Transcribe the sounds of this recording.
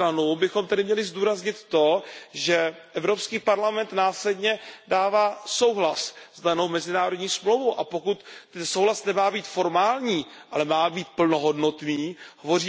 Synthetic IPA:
ɾanubɪxomt̪adɪmɲɛlɪzduːɾazɲɪt̪ːo̞ʒɛ | ʔɛvɾo̞pskiːpaɾlamɛnt̪naːslɛdɲɛdaːvaːso̞wɦlaszdano̞wmɛzɪnaːɾodɲiːsmlowvowʔapo̞kut̪ɛnso̞wɦlasnɛmaːbiːt̪fo̞ɾmaːlɲiː | ʔalɛmaːbiːt̪̚pl̩no̞ɦo̞dno̞t̪niːɦovo̞riː

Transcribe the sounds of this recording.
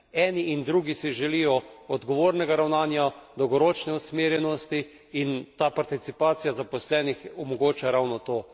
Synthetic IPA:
ɛːniʔind̪ɾuːɡisiʒɛlijɔɔd̪ɡɔʋoːɾnɛɡaɾawnaːnjad̪ɔwɡɔɾoːt͡ʃnɛusmeːɾjɛnɔst̪iː | nt̪aːpaɾt̪it̪sipaːt̪sijazapɔslɛːnixɔmɔɡoːt͡ʃaɾawnɔt̪oː

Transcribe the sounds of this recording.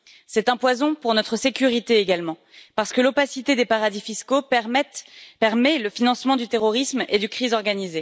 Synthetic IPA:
sɛt̪ɛ̃pwazɔ̃puʁnɔt̪χəsekʲyʁit̪eːɡalmɑ̃ | paʁsə̥kəlopasit̪ed̪epaʁad̪ifiskoɛt̪pɛʁmɛləfinɑ̃smɑ̃d̪yt̪eʁɔʁismed̪ykχizɔʁɡanize

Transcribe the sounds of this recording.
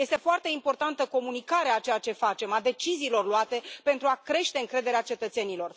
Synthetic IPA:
je̞st̪efoart̪e̞impo̞rt̪ant̪əko̞munikaɾeat͡ʃe̞jat͡ʃe̞fat͡ʃe̞mad̪e̞t͡ʃiziːlo̞rluat̪e̞pe̞nt̪ɾuakɾe̞ʃt̪e̞ɨŋkɾe̞d̪e̞ɾeat͡ʃe̞t̪ət̪se̞nilo̞r

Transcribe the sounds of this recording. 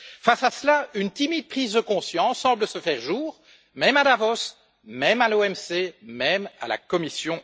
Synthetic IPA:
fasasəlaynt̪imid̪̚pχiːzd̪əkɔ̃sjɑ̃sːɑ̃bləsəfɛʁʒuːʁ | mɛmad̪avɔs | mɛmaloɛmsemɛma̰la̰kɔmisjɔ̃

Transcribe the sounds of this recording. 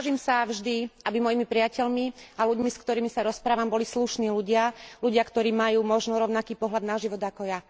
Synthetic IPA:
aʒiːmsavʒd̪iabimɔjimipɾɪacɛʎmialuɟmiskt̪ɔɾiːmisaɾɔspɾaːʋambɔlisluʃniːluɟɪaluɟɪakt̪ɔɾiːmajuːmɔʒnɔɾɔʊnakiːpɔɦlad̪naʒiʋɔd̪akɔja

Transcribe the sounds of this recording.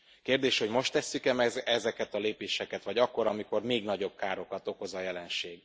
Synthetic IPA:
keːrd̪eːʃho̞ɟmo̞ʃt̪ːɛsːykɛmɛɛzɛkɛt̪ɒleːpeːʃɛkɛt̪ʋɒɟɒkːo̞ɾɒmiko̞rmeːɡnɒɟo̞b̥̚kaːɾo̞kɒt̪oko̞zɒjɛlɛnʃeːɡ

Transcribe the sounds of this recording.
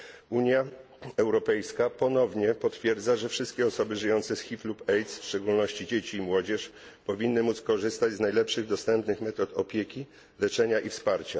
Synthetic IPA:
uɲja | ɛwɾɔpɛjskapɔnɔvɲɛpɔt̪fʲjɛɾd̪zaʐɛfʂɘst̪̚kʲɛɔsɔbɘʐɘjɔnt̪sɛsxʲiflupɛjt̪sfʂt͡ʂɛɡulnɔɕt͡ɕid͡ʑet͡ɕiːmwɔd͡ʑɛʂ | pɔvʲinːɘmut̪skɔʐɘst̪ad͡ʑznajlɛpʂɘɣd̪ɔst̪ɛmpnɘxmɛt̪ɔt̪ɔpʲjekʲi | lɛt͡ʂɛɲaʔifspaɾt͡ɕa

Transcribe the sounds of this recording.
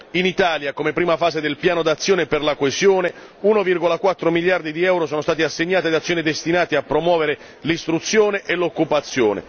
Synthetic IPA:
init̪aːljakomepːɾiːmafaːsed̪elpjaːnod̪at̪sːjoːneperlakoezjoːne | unovirɡolakwat̪ːɾomiʎjard̪id̪iɛwɾosɔːnost̪aːt̪iasːeɲːaːt̪id̪at̪sːjoːnid̪est̪inaːt̪iapːɾomwɔːveɾe | list̪ɾut̪sːjoːneʔelokːupat̪sːjoːnḛ

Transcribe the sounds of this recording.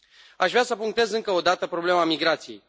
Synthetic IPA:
aʃvɾeasəpuŋk̚t̪e̞zɨŋkəo̞d̪at̪əpɾo̞ble̞mamiɡɾat̪sije̞̰j

